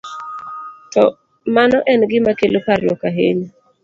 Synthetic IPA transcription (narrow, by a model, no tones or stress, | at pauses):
tɔ | manɔʔɛnɡɪmakelopaɾɪjɔkaɦeɲ